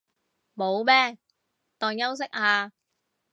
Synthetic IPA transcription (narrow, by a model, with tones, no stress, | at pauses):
mo˨˧wmɛː˥ | t̪ɔː˨ŋjɐ˥ws̬ɪ˥k̚ʔaː˧